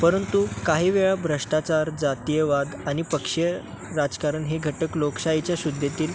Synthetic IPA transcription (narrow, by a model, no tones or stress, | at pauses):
pəɾənt̪ukaɦiːʋeɭabʱɾəʂʈat͡saɾd͡zat̪ijəʋad̪añipəkʂə | ɾad͡zkaɾəɳɦeɡʱəʈəkloksait͡ɕjaɕud̪ʱːet̪iːl